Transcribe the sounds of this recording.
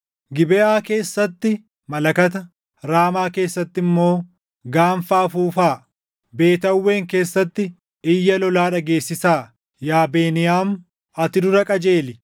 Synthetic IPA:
ɡɪbɛʔaːke̞ːsːɐt̪ːɪ | mɐlɐkɐt̪̬ɐ | ɾaːmaːke̞ːsːɐt̪ːɪmːo̞ː | ɡaːɱfaːfuːfaː | be̞ːt̪ɐwːe̞ːŋke̞ːsːɐt̪ːɪ | ɪjːɐlɔlaːᶑɐɡe̞ːsːɪsaː | jaːbeːnɪjaːm | ɐt̪ɪd̪ʊɾɐkʼɐd͡ʒeːlɪ

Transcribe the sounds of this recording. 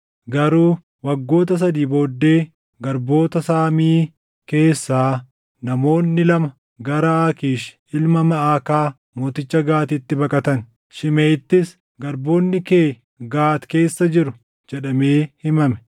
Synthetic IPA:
ɡɐɾuː | wɐɡːo̞ːt̪̬ɐs̬ɐd̪iːbo̞ːd̪ːe̞ː | ɡɐɾbo̞ːt̪ɐsaːmiː | ke̞ːsːaː | nɐmo̞ːnːɪlɐmɐ | ɡɐɾɐaːkiːʃ | ɪlmɐmɐaːkaː | mo̞ːt̪ɪt͡ʃːɐɡaːt̪ɪt̪ːɪbɐkʼɐt̪ɐn | ʃɪmeːɪt̪ːɪs | ɡɐɾbo̞ːnːɪkeː | ɡaːt̪ke̞ːsːɐd͡ʒɪɾʊ | d͡ʒɛᶑɐme̞ːhɪmɐmɛ̥

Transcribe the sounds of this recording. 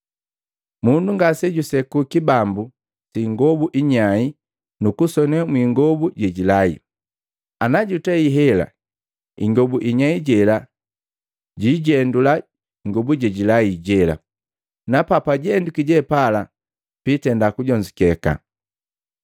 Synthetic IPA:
munduŋɡasɛɟusɛkukibambu | siŋɡɔbuʔiɲai | nukusɔnɛmwiːŋɡɔbuɟɛɟilaḭ | anaɟutɛiɦɛla̰ | ḭŋɡɔbuʔiɲaiɟɛla | ɟiɟɛndula | iŋɡɔbuɟɛɟilaiɟɛla̰ | napapaɟɛndukiɟɛpala | pitɛndakuɟɔɲd͡ʒikɛka̰

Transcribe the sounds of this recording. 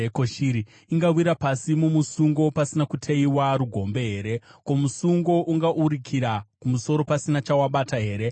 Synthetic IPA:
ekoʃiːɾi | iŋɡawiɾapasimumusuŋɡo̞pasinakutʰeiwaɾuɡʱo̞mbe̞ɦe̞ːɾe̞ko̞musuŋɡo̞ʔuŋɡaʔuɾikʰiɾakumuso̞ɾo̞pasinat͡ʃawaɓataɦe̞ːɾe̞

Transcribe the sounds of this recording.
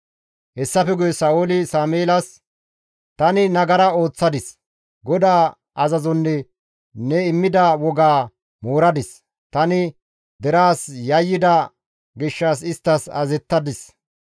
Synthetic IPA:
hɛsːɐfɛɡʊjɛsaːʔoːlɪsaːmeːlɐs | t̪ɐnɪnɐɡɐɾɐo̞ːt͡sːɐd̪ɪs | ɡɔd̪aː | ɐzɐzɔnːɛ | nɛɪmːɪd̪ɐwɔɡaː | moːɾɐd̪ɪs | t̪ɐnɪ | d̪ɛɾaːsjɐjːɪd̪ɐ | ɡɪʃːaːs̬ɪst̪ːɐsɐ̰zɛt̪ːɐd̪ɪs

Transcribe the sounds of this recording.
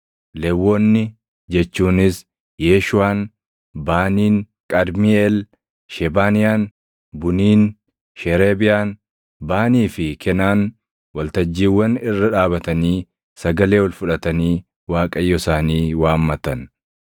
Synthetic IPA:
lɛwːɔnːɪ | d͡ʒɛt͡ʃːuːnɪs | jeːʃʊaːn | baːniːn | kʼɐd̪mɪɛl | ʃɛbaːnɪjaːn | bʊniːn | ʃɛɾeːbɪjaːn | baːniːfɪkʰɛnaːn | wɐlt̪ɐd͡ʒːiːwːɐnɪrːɐᶑaːbɐt̪ɐniː | sɐɡɐle̞ːwɐlfʊᶑɐt̪ɐniː | waːkʼɐjːɔsaːniːwaːmːɐt̪ɐn

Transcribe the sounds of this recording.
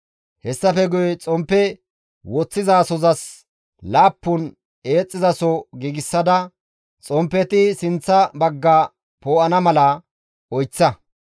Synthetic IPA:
hɛsːɐfɛɡʊjɛt͡sʼɔmpːɛ | wɔt͡sːɪzaːsɔzɐs | laːpːʊn | eːt͡sʼːɪzɐsɔɡiːɡɪsːɐd̪ɐ | t͡sʼɔmpːɛt̪ɪsɪnt͡sːɐbɐɡːaː | poːʔɐnɐmɐlɐ | ɔjt͡sːɐ

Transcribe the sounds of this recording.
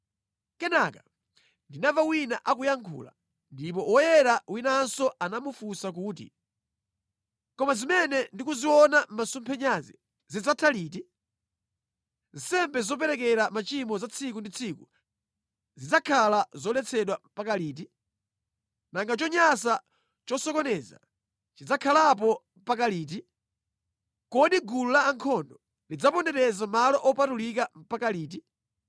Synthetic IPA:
kɛnakḁ | ndinavawinaʔakujaŋkʰṵːla̰ | ndipɔwɔjɛɾawinansɔanamufusak̬uːt̬ḭ | kɔmazimɛnɛndikuziwɔnam̩masumpʰɛɲazḭ | zid͡zatʰaliːt̬i | zsɛmbɛzɔp̬ɛɾɛkɛɾamat͡ʃimɔzat͡sʰik̬undit͡sʰiku | zid͡zakʰalazɔlɛt͡sʰɛɗwampakaliːt̬i | naŋɡat͡ʃɔɲasa | t͡ʃɔsɔkɔnɛza̰ | t͡ʃid͡zakʰalap̬ɔm̩pak̬aliːt̬i | kɔɗiɡululaːŋkʰɔndɔ | lid͡zapɔndɛɾɛzamalɔʔɔpatulik̬am̩pakaliːt̬i

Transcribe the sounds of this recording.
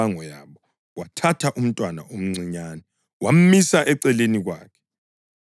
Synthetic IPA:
aŋɔjaβɔ | watʰatʰaʔum̩tʼwana̰ʔom̩ŋ͡ǀiɲaːnɛ | wam̩misaʔɛǀɛleniɣwa̰ːkʰɛ̥

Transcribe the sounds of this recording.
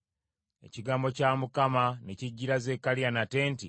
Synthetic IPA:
e̞̰ciɡaːmbo̞camukamane̞ciɟːiɾaze̞kalijanate̞ːnti

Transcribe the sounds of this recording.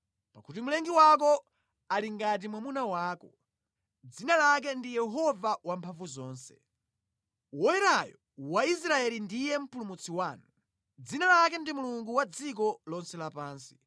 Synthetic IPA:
pakutimulɛŋɡiwakɔ | aliŋɡat̬imwamunawaːkɔ | d͡zinalak̬ɛndijɛɦɔvawampʰaɱvuzɔːnsɛ̰ | wɔjɛɾajɔ̰ | wais̬ɾaɛlindijɛm̩pulumut͡sʰiwaːnu | d͡zinalak̬ɛndimuluŋɡuwad͡zik̬ɔlɔnsɛlapaːnsi̥

